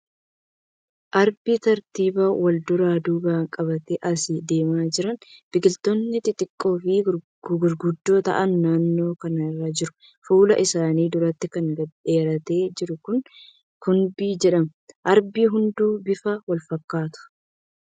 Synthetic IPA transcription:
ʔɐɾbiːt̪ɐɾt̪iːbaːwɐld̪ʊɾaːd̪uːbaːkʼɐbɐt̪ɛʔɐsɪd̪e̞ːmaːd͡ʒɪɾɐnb̥ɪɡɪlt̪onːɪt̪ʼɪt̪ʼɪkʼːo̞ːfɪ | ɡʊɾɡʊd̪ːo̞ːt̪ɐ̰ʔɐnːaːnːo̞ːkɐnɐɪrːad͡ʒɪɾʊ̥ | fuːlɐ̰ʔɪsaːniːd̪ʊɾɐt̪ːɪkɐŋɡɐe̞ːɾɐt̪e̞ːd͡ʒɪɾʊkʊn | kʊnbiːd͡ʒɛᶑɐmʔɐɾbiːɦʊnd̪uːbɪfɐwɐlfɐkːaːt̪ʊ̥

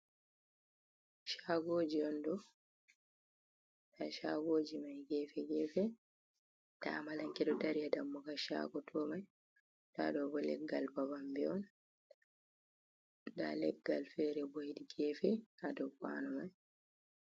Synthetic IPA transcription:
ʃaːɡoːd͡ʒiɔndɔ | tʰaʃaɡoːd͡ʒimajɡɛːfɛɡɛːfɛ | ta̰malaŋkɛɗɔdaɾiadamːɔɡaʃa̰ːɡɔtʰɔmaj | da̰dɔbɔlɛ̰ɡːalbabambɛɔn | da̰lɛɡːalfɛːɾɛbojidiɡɛːfɛhadɔwka̰ːnɔmaj

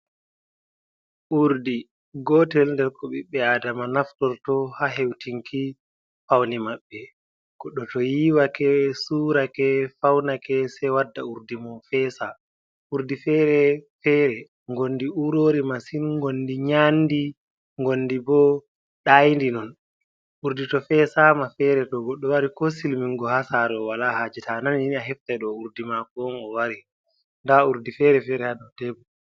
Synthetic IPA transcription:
ʔuɾdi | ɡɔtɛlndɛɾkɔɓiɓːɛaːdamanaftɔɾtɔhaɦewtiŋkʰi | fawnimaɓːɛ | kɔɗɔtɔjiwakɛsuːɾakɛfawnakɛsɛwadːauɾdimɔfɛːsa | ʔuɾdifɛɾɛfɛɾɛ | ŋɡondiuɾoːɾimasinŋɡondiɲandi | ŋɡonːdibɔ | ɗajndinɔn | ʔuɾditɔfɛsamafɛɾɛtɔɡɔɗːɔwaɾikɔsilmiŋɡɔhasaɾɔwalahaːd͡ʒitananjiniaɦɛftɛɗɔuɾdimakɔŋɡɔwaɾi | ndauɾdifɛɾɛfɛɾɛhaɗɔtɛbɔ

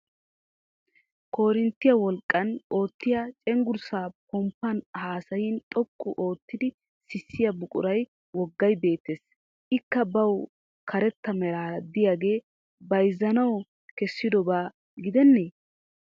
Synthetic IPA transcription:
ko̞ːɾɪnt̪ːɪjɐwɔlkʼːɐno̞ːt̪ːɪjat͡ʃʼɛŋɡʊɾsaːpɔmpːɐnhaːsɐjɪnt̪ʼɔkʼːʊʔo̞ːt̪ːɪd̪ɪ | sɪsːɪjɐbʊkʼʊ̰ɾɐj | wɔɡːɐjbe̞ːt̪ːes | ʔɪkːɐbɐw | kʰɐɾɛt̪ːɐmɛɾaːd̪ɪjaːɡe̞ː | bɐjzːɐnɐw | kɛsːɪd̪ɔbaː | ɡɪd̪ɛnːeː

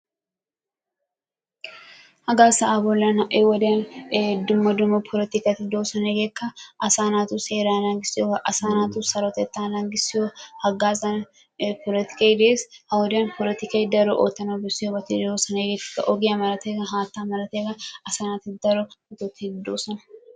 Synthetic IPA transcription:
hɐɡaːsɐaːbɔlːɐnɐʔewɐd̪ɐnd̪ʊmːɐd̪ʊmɐpʰɔlɛt̪ɪkɐt̪ːɪd̪oːsɐneɡekːɐʔɐsaːnaːt̪ʊseːɾaːnaːɡɪsɪjɔʔɐsaːnaːt̪usɐɾɔt̪ɛt̪ːaːnaːŋɡɪsɪjohɐɡaːzɐn | pʰɔlɛt̪ɪ̥kɐjɪd̪eːshɐwɔd̪ɪɐnpɔlɛt̪ɪkɐjd̪ɐɾɔʔot̪ːɐnɐbɪsɪjobɐt̪ɪd̪oːsɐneɡeːkkːɐ̰ʔɔɡɪjɐmɐɾɐt̪eɡɐɦaːt̪ːaːmɐɾɐt̪eɡɐɐsaːnat̪ɪd̪ɐɾɔɔt̪ɔt̪ːɪd̪oːsɐnɐ̥

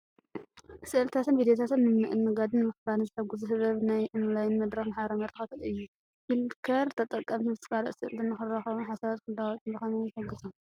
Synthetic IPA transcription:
sɨʔɨlt̪ʰat̪ʰɨnvid̪ejot̪ʰat̪ɨnːɨmnɨʔɨnːɨɡad̪ɨnːɨmɨxbaɾɨnzɨħɐɡuzɨɦɨβɐβnajʔɨnlajnmɐd̪ɾɐxnaħaɾɐmɐɾɨxɐt̪ʰɐt̪ɨjːu | hilkʰɐɾt̪ʰɐt̪ʼːɐk̪ʼːɐmt̪ʰisɨfaɾɐ̰ʔsɨlt̪ɨnːɨxɨrːɐxɐβunħasazkʰɨld̪awt̪ʼɐxɐnazɨħɐɡɨsɐm

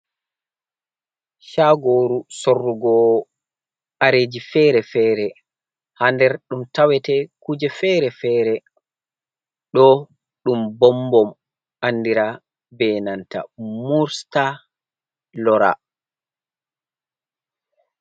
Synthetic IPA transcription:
ʃaɡoːɾusorːuɡɔ | aɾed͡ʒifɛːɾɛfɛːɾɛ | handɛɾɗumtawɛtɛkud͡ʒɛfɛɾɛfɛːɾɛ | ɗɔ | ɗumbɔmbɔm | ʔanːdiɾa | bɛːnanta̰muɾsta | lɔɾa̰

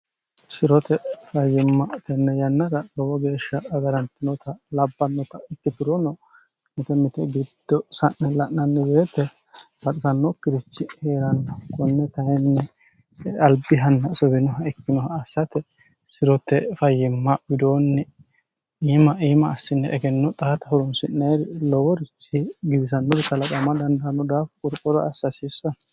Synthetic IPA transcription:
sɪɾɔt̪ɛfɐjːɪmːɐt̪ɛnːɛjɐnːɐɾɐlɔwɔɡe̞ːʃːɐːɡɐɾɐnt̪ɪnɔt̪ɐlɐbːɐnːɔt̪ɐɪk̪ːɪt̪ɪɾɔnɔ | mɪt̪ɛmɪt̪ɛɡɪd̪̥ːɔsɐʔnɛlɐʔnɐnːɛbeːt̪ːɛ | bɐt̪ʼɪsɐnːɔkːɪd̪ɪt͡ʃːɪheːɾɐnːɐkɔnːɛt̪ɐnɛnːɛ | ɐlbɪɦɐnːɐsɔbɪnɔɦɐɛkːɪnɔhɐɐsːɐt̪ɛ | sɪɾɔt̪ːɛfɐjːɪmːɐbɪd̪oːnːɛ | iːmɐiːmɐːsːɪnːɛʔɛɡɛnːɔt̪ʼaːt̪ɐhɔɾɔnsɪnːeːɾɪlɔwɔɾɪt͡ʃːɪɡɪbɪs̬ɐnːɔɾɪt̪ɐlɐkʼɐmɐd̪ɐnd̪ɐɐnːɔd̪aːfkʼʊɾkʼɔɾɔ̰ɐsːɐsɪsɐn

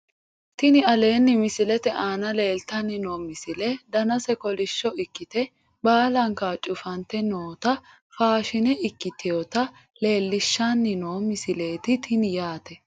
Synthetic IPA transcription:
t̪ɪnɪɐle̞ːnːɪmɪsɪlɛt̪ɛʔaːnɐle̞ːlt̪ɐnːɪnoːmɪsɪlɛd̪ɐnɐsɛkɔlɪʃːɔɪkːɪt̪ɛ | baːlɐŋkat͡ʃʼʊfɐnt̪ɛnoːt̪ɐ | faːʃɪnɛʔɪkːɪt̪ɪjot̪ɐ | le̞ːlːɪʃːanːɪnoːmɪsɪle̞ːt̪ɪt̪ʰɪnɪjaːt̪ɛ

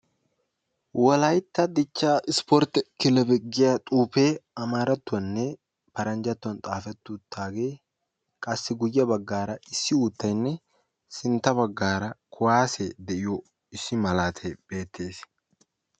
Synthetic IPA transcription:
wɐlɐjt̪ːɐd̪ɪt͡ʃːaːɪspɔɾt̪ɛkɪlɛbɛɡɪjat̪ʼuːpe̞ːɐmaːɾɐt̪ːʊwɐnːɛ | pɐɾɐnd͡ʒɐt̪ːʊɐnt̪ʼaːfɛt̪ːut̪ːaːɡe̞ː | kʼɐsːɪɡʊjːɐbɐɡːaːɾɐɪsːɪuːt̪ːɐjnːɛ | sɪnt̪ːɐbɐɡːaːɾɐkʰʊwaːsɛd̪ɛʔɪjɔ | ɪsːɪmɐlaːt̪ʰɛb̥e̞ːt̪ʰːe̞ːs

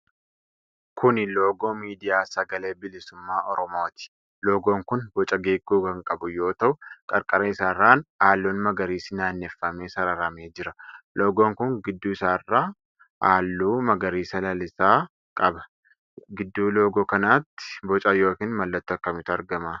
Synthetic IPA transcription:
kʰʊnloːɡo̞ːmiːd̪ɪjaːsɐɡɐle̞ːbɪlɪsʊmːaːʔɔɾɔmo̞ːt̪ɪ̥ | lo̞ːɡo̞ːŋkʊnbɔt͡ʃʼɐɡeːɡuːkɐŋkʼɐbʊjo̞ːt̪ɐʔʊkʼɐɾkʼɐɾɐɪsaːrːaːnaːlːoːnmɐɡɐɾiːsɪnaːnːɛfːɐmeːsɐɾɐɾɐme̞ːd͡ʒɪɾɐlʔo̞ːɡoːŋkʊŋɡɪd̪ːuːɪsaːrːaː | ʔaːlːuːmɐɡɐɾiːsɐlɐlɪsaː | kʼɐbɐ̥ | ɡɪd̪ːuːlo̞ːɡoːkɐnaːt̪ːɪ̥bɔt͡ʃʼɐjo̞ːkiːnmɐlːɐt̪ːʊɐkːɐmɪt̪ʊɐɾɡɐmaː

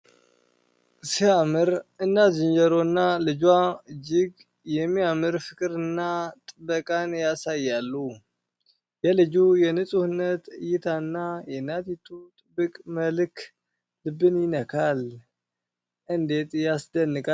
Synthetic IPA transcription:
siamɨɾɨnːazɨnd͡ʒəɾo̞nːalɨd͡ʒwaɨd͡ʒɪɡ | jɛmːiamɨɾfɨkʼɨɾɨnːat̪ʼɨbəkʼanjasajːalːu | jɛlɨd͡ʒujɛnɨsʼuhɨnːət̪jɪt̪ʰanːajɛnːat̪it̪ʰʼut̪ʼɨbːɨkʼməlkʰ | lɨbɨnjɪnəkʰal | ʔɨnd̪e̞t̪ʼjasd̪ənːɨkʼa

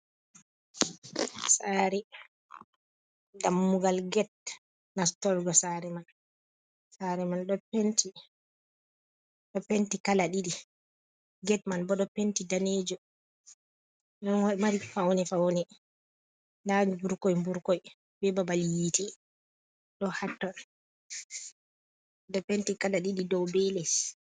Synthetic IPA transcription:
saːɾɛ | damːuɡalɡɛt̚ | nastɔlɡɔsaɾɛman | saɾɛmanɗɔpenti | ɗɔpentikalaɗiɗi | ɡɛtmanbɔɗɔpentidaneːd͡ʒɔ | ɗɔnwaimaɾifawnɛfawnɛ | ndaɲibuɾkɔjmbuɾkɔj | bɛbabaljiti | ɗɔhatːɔn | ɗɔpentikalaɗiɗidɔwbɛlɛs

